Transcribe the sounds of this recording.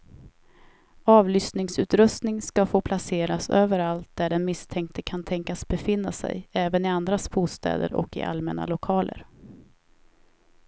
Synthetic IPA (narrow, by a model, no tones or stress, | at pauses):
ɑːvlʏsnɪŋsʉ̟ːt̪ɾɵst̪nɪŋskafoːpʰlaseːɾasøːvəɾalt̪̚d̪æɖɛnmɪst̪ʰɛŋk̚t̪əkʰant̪ʰɛŋkasbɛfɪnːasɛ̰jɛːvənɪand̪ɾasbuːst̪ɛ̰ːd̪ə̰ɾɔ̰kːɪ̰ʔa̰lmɛ̰na̰lʊkʰɑːlʔə̰ɾ